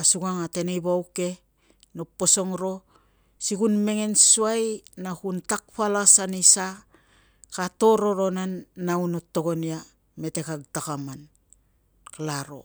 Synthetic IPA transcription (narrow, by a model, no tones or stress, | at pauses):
asuɡaŋate̞nejbawke̞ | nopːo̞so̞ŋɾo̞ | siɡunme̞ŋe̞nsuajnakuntak̚palasanisa | kato̞ɾo̞ɾo̞nanːaunotːo̞ɡonia | me̞te̞kaɡtakaman | klaɾo̞̰